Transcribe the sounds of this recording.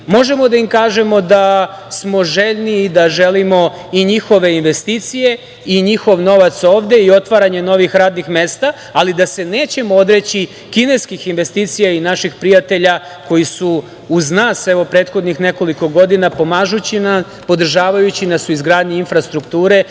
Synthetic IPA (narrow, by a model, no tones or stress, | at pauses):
mo̞ʒe̞mo̞d̪aimkaːʒe̞mo̞d̪a | smo̞ʒe̞ʎniːd̪aʒe̞limo̞ | iɲixo̞ʋe̞inʋe̞st̪it̪sije̞ | iɲixo̞ʋno̞ʋat̪so̞ːʋd̪e̞io̞t̪ʋaɾaɲe̞no̞ʋixɾaːd̪nixme̞ːst̪aː | lid̪ase̞neːt͡ɕe̞mood̪ɾet͡ɕi | kine̞skixinʋe̞st̪iːt̪sijainaʃixpɾijat̪e̞ʎa | ko̞jisuː | znaːsɛʋo̞pɾe̞ːt̪xo̞d̪nixne̞ko̞liko̞ɡo̞d̪inapo̞maːʒut͡ɕina | po̞d̪r̩ʒaːʋajut͡ɕinasuizɡɾaːd̪ɲiinfɾast̪ɾukt̪uːɾe̞